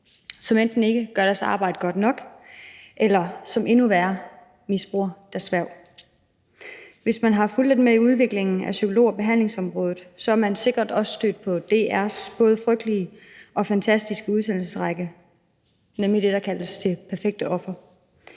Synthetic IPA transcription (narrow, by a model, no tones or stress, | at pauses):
sɒ̽mend̥n̩e̝ɡ̥əɡ̥ɶɐɾ̥æɐsɑ̰̈ːb̥ɑ̈ɪ̰d̥əɡ̥ɒ̽d̥nɒ̽ɡ̥ | ʔelɐsɒ̽me̝nuʋæːɐ | misb̥ʁuɐ̰d̥ɑsʋæɐʊ̰ | ʋe̝smænɦɑ̈ful̰d̥ed̥meiuð̞ˠʋe̝ɡ̥le̝ŋn̩æsykʰo̝lo̝̰ːɒb̥e̝ɦæn̰leŋsɒ̽mʁɔ̽ːðð̩ˠsɒ̽æɐmænse̝ɡ̥ɐd̥ɒ̽sə̥sd̥ø̰ːd̥̚pʰɒ̽d̥e̝ːæɐsb̥ɔ̽ːð̞̩ˠəfʁœɡ̥̚d̥liə | ʔɒ̽fænt͡sʰæsd̥isɡ̥əuðˠsen̰l̩səsʁɑɡ̥ə | nemlid̥e̝d̥ɑ̈kʰæləsd̥e̝pʰæɐfeɡ̥̚d̥əʔɒ̽fɐ